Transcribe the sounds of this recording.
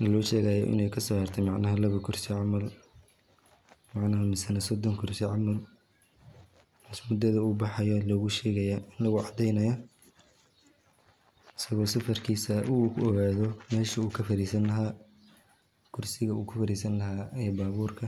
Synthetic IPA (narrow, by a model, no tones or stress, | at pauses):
nɐlɔːʃɛːɣɐjɔ̰ʔɪ̰nɛjkʰɐsɔːhɐrt̪ʰɛmɑʕnɐɦɐlɐβɐkʰʊrsɪʕɑmɐl | mɑʕnɐɦɐmɪsɐnɐsɔd̪ɔŋkʰʊrsɪʕɑmɐl | mɪsmʊd̪ɐðɐuːbɑħɑjɔlɔːɣʊʃɛːɣɐjaːʔɪnlɐɣʊʕɑd̪ɛjnɐjɐ | ɪ̥sɐɣɔːsɐfɐrkʰiːsɐʔuɔɣaːðɔmɛːʃɐuːkʰɐfɐɾiːsɐnlɐɦaː | kʰʊrsɪɣɐuːkʰʊfɐɾiːsɐnlɐɦaːɛːbaːβuːrkʰɐ